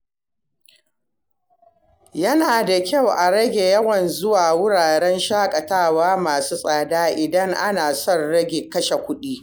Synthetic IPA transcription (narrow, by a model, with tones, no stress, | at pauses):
jɐ˦naː˨da˨kʲa˦˨wʔa˨ɽɐ˦ɡʲe˨jɐ˦wɐ˨nzʊ˦waː˨wʊ˦ɽaː˨ɽɛ˦nʃaː˦kʼɐ˨taː˦˨waː˦maː˨suː˦sʼaː˨daː˦ʔɪ˨dɐ˦ŋʔa˦naː˨sɔ˦˨nɽɐ˦ɡʲe˨kɐ˦ʃe˨kʷʊ˦ɗiː˦